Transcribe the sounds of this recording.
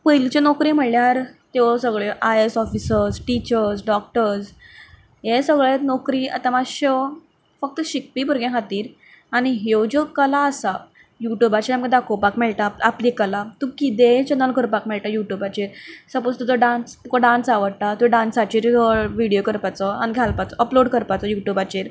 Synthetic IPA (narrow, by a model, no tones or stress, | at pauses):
pəjlt͡ɕenɔkɾiːm̤əɽljaɾt̪esəɡɭeʔajesɔfisəɾsʈit͡ɕəɾsɖɔk̚ʈəɾs | jẽsəɡɭet̪nɔkɾiːa̰t̪amaɕə | fək̚t̪əɕik̚piːpuɾɡẽɦat̪iːɾ | aɽ̃iɦewd͡ʑɔkəlaəsa | juʈjubat͡ɕiɾamkãd̪akʰopakmɛɭʈ̪aapliːkəlat̪ukit̪et͡ɕənəlkəɾpakmɛɭʈajuʈjubat͡ɕeɾsəpost̪əd͡z̪ɔɖãnst̪ukɔɖãnsaʋəɽʈ̪at̪uɖãnsat͡ɕiːɾɔʋiɽijokəɾpat͡sɔaniɡʱjalpat͡sɔʔəploɽkəɾpat͡sɔjuʈjubat͡ɕeɾ